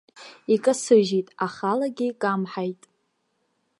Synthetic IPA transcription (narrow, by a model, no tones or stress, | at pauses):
ikʼasɨʒitʼaχalaɡʲɪkʼamħajtʼ